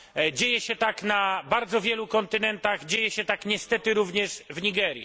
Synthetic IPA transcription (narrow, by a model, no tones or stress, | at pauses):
d͡ʑejɛɕɛt̪aknabaɾd̪zɔvʲjɛlukɔnt̪ɘnɛnt̪aɣd͡ʑejɛɕɛt̪akɲɛst̪ɛt̪ɘɾuvɲɛʂvɲiɡɛɾjḭ